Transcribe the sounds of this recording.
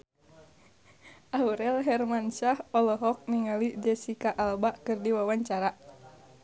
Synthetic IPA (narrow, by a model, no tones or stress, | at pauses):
ʔauɾɛlɦɛrmanʃahɔlɔɦɔk̚niŋalid͡ʒɛsikaʔalbaʔkɨrdiwawaɲt͡ʃaɾa